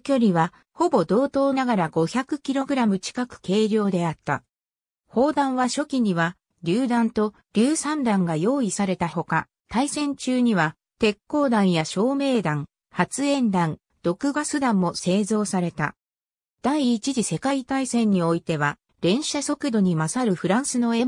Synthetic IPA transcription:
kʲo̞ɾʲiβa | ho̞bo̞d̪o̞ːt̪o̞ːnaɡaɾaɡo̞çakɯ̟kʲiɾo̞ɡɯ̟ɾamɯ̟t͡ɕi̥kakɯ̟̥ke̞ːɾʲo̞ːd̪e̞at̪ːa̰ | ho̞ːd̪ãɰ̃βaɕo̞kʲiɲ̟iβa | ɾʲɨːd̪ãnt̪o̞ | ɾʲɨːsãnd̪ãŋɡajo̞ːisaɾe̞t̪aho̞ka | t̪aisẽ̞ɲt͡ɕɨːɲ̟iβa | t̪e̞kːo̞ːd̪ãɰ̃jaɕo̞ːme̞ːd̪ãŋ | hat͡sɨẽ̞nd̪ãn | d̪̥o̞kɯ̟ɡasɨd̪ãmːo̞se̞ːzo̞ːsaɾe̞t̪a̰ | d̪̥aiːt͡ɕiʑise̞kait̪aisẽ̞ɲ̟ːio̞it̪e̞βa | ɾẽ̞ɰ̃ɕaso̞kɯ̟d̪o̞ɲ̟imasaɾɯ̟ɸɯ̟ɾãɰ̃sɨno̞e

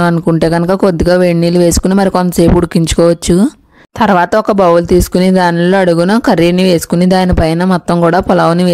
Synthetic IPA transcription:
ɐnukuɳʈe̞ːɡɐnɐkɐko̞d̪ːiɡaːʋeɳːiːluʋe̞ːsu̥kunimɐɾikont̪ɐseːpuɽukːiɲt͡ʃu̥kɔːʋɐt͡ʃːu | t̪ɐɾʋaːt̪ɐɔkɐbɐwult̪iːsu̥kunid̪aːniloːɐɽuɡunɐkɐɾiniʋe̞ːsu̥kunid̪aːnipɐjnɐmɔt̪ːɐŋkuːɽaːpɔlɐʋɐniʋeː

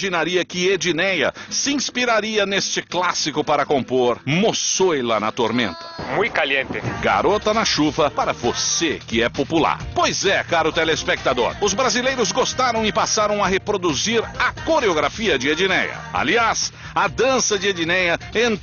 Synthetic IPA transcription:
ʒinaɾiɐkɪed͡ʒinɛjɐ̰sɪĩspiɾaɾiɐnest͡ʃɪklasikʊpaɾɐkõmpoɾmossojlɐnɐ̰t̪oɾmḛ̃nt̪ɐ̥mũj̪kaliẽnt̪ɪɡa̰ɾot̪ɐnɐʃuvɐpaɾɐvosekɪɛpopula̰ɾpojzɛkaɾʊt̪elespek̚t̪ad̪o̰ɾʊzbɾazilejɾʊzɡost̪aɾɐ̃w̃ɪpasaɾɐ̃w̃ɐɦepɾod̪uziɾɐkoɾeoɡɾafiɐd͡ʒɪed͡ʒinɛ̰jɐ̰a̰lias | ɐd̪ɐ̃sɐd͡ʒɪed͡ʒinɛjɐẽ

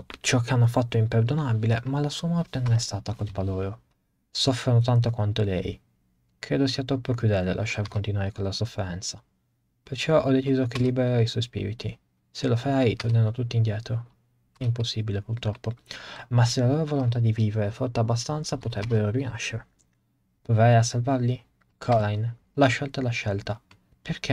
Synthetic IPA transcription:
t͡ʃɔk̟ːeanːofat̪ːoimperd̪onabilemalasuːamɔrt̪enonɛst̪aːt̪akolpaloːɾo | sɔfːɾonot̪ant̪̬okwant̪olɛ̰j | kɾeːd̪osiːat̪ɾɔpːokjud̪ɛlːḛlʔa̰ʃːarkont̪inwaːɾekonlasofːeɾɛnt̪sa | pert͡ʃɔʔɔd̪ːet͡ʃiːzokelːibeɾaɾaiswɔjspḭːɾḭt̪i | selofaɾajit̪ornenot̪ut̪ːind̪jɛːt̪ɾo | ɛimposːibilepurt̪ɾɔpːomas̬elaloːɾovolont̪̬ad̪iviːveɾefɔrt̪abːas̬t̪ant̪sapot̪ɾɛbːeɾorina̰ʃːeɾe | pɾoveɾajasːalvaɾli | kʰɔɾajn | laʃːɛlt̪alaʃɛlt̪a | perkʰe

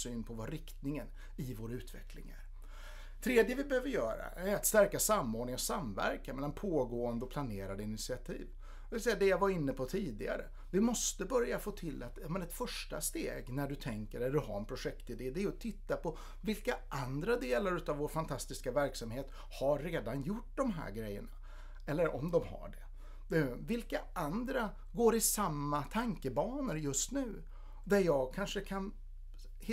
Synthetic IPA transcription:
syːnpʰɔvaɾɪkt̪nɪŋən | ɪvoːɾaʉ̟ːt̪vɛ̰klɪ̰ŋæ̰ɾ | t̪ʰɾeːd̪jəvɪbɛhøːvəɾjœːɾa̰ʔæɾat̪st̪æɾkasamːoːɾɖɳɪŋɔsamvæ̰ɾkamɛlːanpʰoːɡoːənd̪əɔpʰlaneːɾad̪əɪnɪt̪sɪat̪ʰḭːv | ɪvɪlsɛjːad̪ɛjavaɾɪnːəpʰɔt̪ʰiːd̪ɪɡa̰ɾə̰ | vɪmɔst̪əbœɾjafoːt̪ʰɪlːat̪amɛnɛt̪fœʂʈa̰st̪ḛːɡnæɖɵt̪ʰɛŋkəɾɛld̪ɵɦa̰ɾɛnpʰɾʊʂɛkt̪ɪd̪eːd̪ɛæːɾɔt̪ʰɪt̪ːapʰɔ | vɪlkaʔand̪ɾad̪eːlaɾʉ̟ːt̪avoːɾfant̪ʰast̪ɪskavæɾksamheːt̪ | haːeːd̪anjʊʈ̚ːd̪ɔmɦæ̰ːɾɡɾɛjːə̰ɳa | ɛlːəɾɔmd̪ɔmha̰ɖɛ | ɛvɪlkaʔand̪ɾa | ɡoːɾɪsamːat̪ʰaŋkəbɑːnəɾjɵst̪nʉ̟ː | d̪æɾjɑːɡ̚kʰanʂəkʰan | h

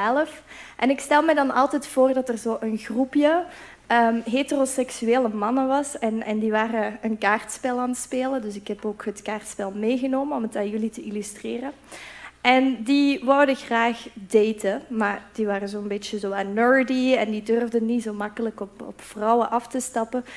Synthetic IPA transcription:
ɛləfʔɛnɪkstɛlˠmɛdɑnɑ̰lˠtɛtfoːrdɑtərzoːʔənɣrupjə | əɦetərosɛksyeːləmɑnəʋɑsɛnɛndiʋaːrəənkaːrtspɛlˠaːnətspeːlədɵsɪkɦɛpoːkɦətkaːrtspɛlˠmeːɣənoːmənɔmətaːnjɵlitəilystreːrə | ʔɛndiʋɔwdəɣraːxdejtəmaːrd̥iʋaːrəzoːənbet͡ʃəzoːanœɹdiɛndidørvdənitzoːmɑkələkɔpɔ̰pfrɑwəʔɑftəstɑpə

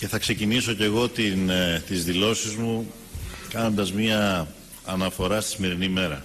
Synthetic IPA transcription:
ce̞θɐkse̞ciniso̞ce̞ɣo̞t̪int̪izðilo̞sizmu | kɐno̞nd̪ɐzmɲɐː | nɐfo̞ɾɐst̪isime̞ɾinime̞ɾɐ

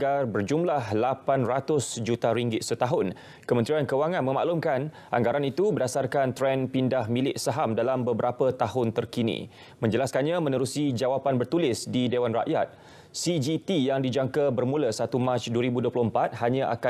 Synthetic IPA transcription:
ɡarbərd͡ʒumlahlapanrat̪ʊsd͡ʒut̪aɾiŋɡɪt̪̚sət̪aɦʊn | kəmənt̪ɾiankəwaŋãnmə̃ma̰ʔlumkan | ʔa̰ŋɡaɾanit̪ubərdasarkant̪ɾɛnpindahmilɪʔsaɦamdalambəbəɾapət̪aɦʊnt̪ərkinḭ | mə̃ɲd͡ʒəlaskanɲãmə̃nəɾusid͡ʒawapanbərt̪ulɪsdidewanra̰ʔjat̪̚ | sid͡ʒit̪ijaŋdid͡ʒaŋkabərmũləsat̪umat͡ʃduwəɾibuduəplʊhəmpat̪̚haɲãʔa̰ka

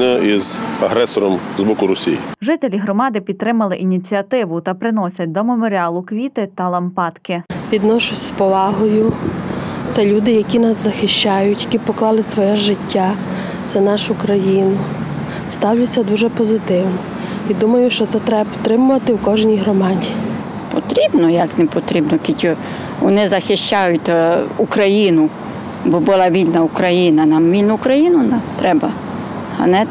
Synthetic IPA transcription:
nɛizɐɦɾɛsɔɾɔmzbɔkʊɾɔsʲḭjḭʒɪt̪elʲiɦɾɔmɑd̪ɪpʲid̪̚t̪ːɾɪmɐlˠɪʔinʲit͡sʲiɐt̪ɪʋʊt̪ɐpɾɪnɔsʲɐt̚ʲd̪ɔmemɔɾʲiɑlˠʊkʋʲit̪ɪt̪ɐlˠɐmpɑt̪kɪʋʲid̪nɔʃʊsʲspɔʋɑɦɔjʊ | t̪sɛlʲud̪ɪjɐkʲinɑszɐxɪʃt͡ʃajʊtʲjɐkʲipɔklˠɑlˠɪsʋɔjɛʒɪtʲːa | t̪sɛnɑʃʊkɾɐjinʊ | st̪ɑwlʲʊt͡sʲːɐd̪uʒɛpɔzɪt̪ɪwnɔ | id̪umɐjʊʃt͡ʃɔt̪sɛt̪ɾɛbt̪ɾɪmʊʋɐt̪ɪwkɔʒnʲijɦɾɔmɑdʲi | pɔ̰t̪ɾʲibnɔjɐknɛpɔt̪ɾʲibnɔkʲitʲu | ʋɔ̰nɪzɐxɪʃt͡ʃajʊtʲukɾɐjinʊ | bɔbʊlˠɑʋʲilʲnɐukɾɐjinɐnamʋʲilʲnʊːkɾɐjinʊnt̪ɾɛbɐ | ɐ̰nɛ

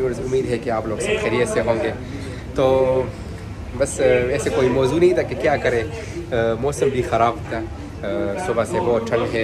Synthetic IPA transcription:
iəɾzʊmːiːd̪ɦɛkeaːploːɡsẽxeɾieːseɦõːŋɡeː | t̪oː | bɐsɛːsekoːimɔːzunɐɦĩt̪ʰakekjaːkɐɾeː | mɔːsəmbʱixɐɾaːbt̪aː | sʊbasebɔːt̪̚ʈʰɐ̃ɳɖɦɛː

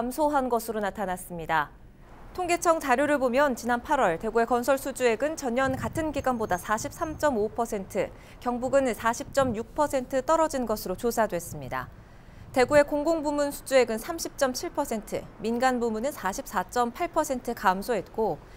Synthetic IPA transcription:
kamsʰoɦanɡʌsʰɯɾonatʰanas͈ɯmɲida | tʰoŋɡe̞t͡ɕʰʌŋt͡ɕaɾjoɾɯɭbomjʌnt͡ɕinanpʰaɾwʌɭte̞ɡue̞kʌnsʰʌɭsʰud͡ʑue̞ɡɯnt͡ɕʌɲɲʌnkatʰɯnɡiɡwanbodasʰaɕʰip̚s͈amt͡ɕ͈ʌmopʰʌsʰe̞ntʰɯ | kjʌŋbuɡɯnsʰaɕʰip̚t͡ɕ͈ʌmjuk̚pʰʌsʰe̞ntʰɯt͈ʌɾʌd͡ʑinɡʌsʰɯɾot͡ɕosʰadwe̞s͈ɯmɲida̰ | te̞ɡue̞koŋɡoŋbumunsʰu̥d͡ʑue̞ɡɯnsʰamɕʰip̚t͡ɕ͈ʌmt͡ɕʰiɭpʰʌsʰe̞ntʰɯ̰minɡanbumunɯnsʰaɕʰip̚s͈at͡ɕ͈ʌmpʰaɭpʰʌsʰe̞ntʰɯkamsʰoɦe̞t̚k͈o

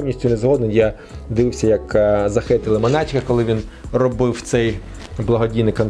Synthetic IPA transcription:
wnʲisʲtʲʊnezɦɔd̪nɔjja | d̪ɪʋɪwsʲɐjɐkzɐxɪt̪ɪlˠɪmɐnɑt͡ʃʲkɐkɔlˠɪʋʲinrɔbɪwt̪sɛj | blˠɐɦɔdʲijnɪkɐn

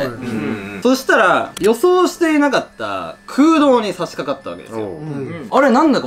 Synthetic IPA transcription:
so̞ɕi̥t̪aɾajo̞so̞ːɕi̥t̪e̞inakat̪ːa̰kʰɯ̟ːd̪o̞ːɲ̟isaɕi̥kakat̪ːaβa̰ked̪esjoaɾe̞nãnd̪ak

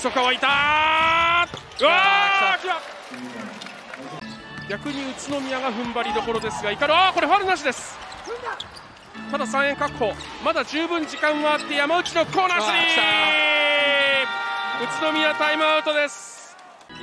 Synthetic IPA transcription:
sokaβait̪a | ɯakʲiβa | ɡʲakɯ̟ɲ̟iɯ̟t͡sɨno̞mʲiaɡaɸɯ̟̃mbaɾʲid̪o̞ko̞ɾo̞d̪e̞sɨɡaikaɾɯ̟ako̞ɾe̞ɸaɾɯ̟naɕ̬id̪e̞sɨ̥ | t̪ad̪as̬ãɰ̃eŋkakʰːo̞ː | mad̪aʑɨːbɯ̟̃ɲ̟d͡ʑikãŋɡaat̪ːe̞jamaɯ̟t͡ɕino̞kʰo̞ːnasɨɾʲi | ɯ̟t͡sɨno̞mʲiat̪aimɯ̟aɯ̟t̪o̞d̪e̞sɨ̥

